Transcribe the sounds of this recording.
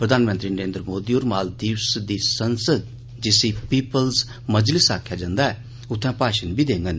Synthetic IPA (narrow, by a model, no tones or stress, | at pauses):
pɾəd̪ʱaːnmə̃nt̪ɾiːnəɾẽːnd̪ɾəmoːd̪ioːɾmaːld̪iːwsd̪iːsənsəd̪ | d͡ʒɪsipiːpəlz | məd͡ʒlɪsaːkʰjad͡ʒãːnd̪aɛː | ʊt̪ʰːɛ̃paːʃənbʱiːd̪ẽːŋɡən